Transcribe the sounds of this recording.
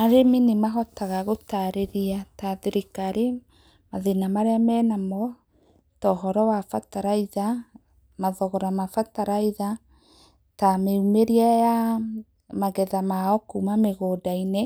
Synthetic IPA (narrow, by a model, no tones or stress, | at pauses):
aɾeminemaɦɔtaɣaɣotaɾeɾiataðeɾekaːɾe | maðenamaɾeamɛnamɔ | tɔɦɔɾɔwafataɾaiða | maðɔɣɔɾamafataɾaiða | tameumeɾiaja | maɣɛðamaɔkumameɣodaine